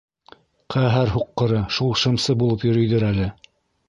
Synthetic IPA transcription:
qʰæɦæɾɦuqːɤ̆ɾɤʃulˠʃɤ̆msɤbulˠɤpjɵ̆ɾɵ̆jðɘɾælɘ

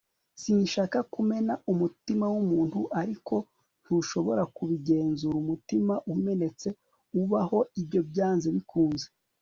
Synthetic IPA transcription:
siːnʃaːkakume̞naʔumutimawumuːnthuʔaɾikʰo̞ | n̥huʃo̞βo̞ɾakuβiɡe̞ːnzuɾumutimaʔume̞ne̞t͡se̞ | uβaho̞ibɟo̞bjaːnzeβikuːnze

